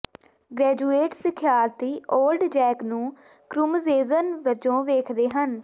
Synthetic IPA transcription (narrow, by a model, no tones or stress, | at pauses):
ɡɾɛːd͡ʒuːeːʈsɪkʰjaːɾt̪iːʔoːlɖd͡ʒɛːknũː | kɾʊmzeːzənʋəd͡ʒõːʋeːkʰd̪eːɦən